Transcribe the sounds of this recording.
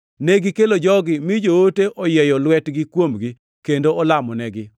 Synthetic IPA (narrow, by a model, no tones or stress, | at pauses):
neɡɪkelod͡ʒɔɡɪmid͡ʒooteʔɔjɛjɔlwɛtɡɪkwomɡi | kendoʔɔlamɔnɛɡɪ